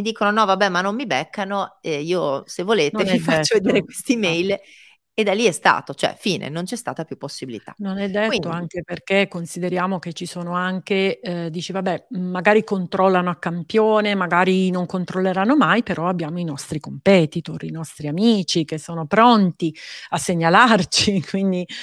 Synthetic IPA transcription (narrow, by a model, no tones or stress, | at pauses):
mid̪iːkononɔvabɛmanːomːibɛkʰːanoɛiːosevːoleːt̪nenɛifaːoved̪eːɾekwest̪imɛjl | ed̪alːiɛst̪a̰ːt̪ot͡ʃoɛ̰fiːnḛnont͡ʃɛst̪a̰ːt̪apjupːosːibilḭt̪a̰nonɛd̪ːetiːoaŋkeperkekːonsid̪eɾjaːmok̟et͡ʃːisoːnoaŋked̪iːt͡ʃivabːɛːaɡaːɾikont̪ɾɔlːanoakːampjoːnemaɡaːɾinoŋkont̪ɾolːeɾanːomajpeɾʔɔabːjaːmoinɔst̪ɾikompɛːt̪it̪orinɔst̪ɾiamiːt͡ʃikesːoːnopɾɔnt̪iasːeɲːalart͡ʃikwind̪i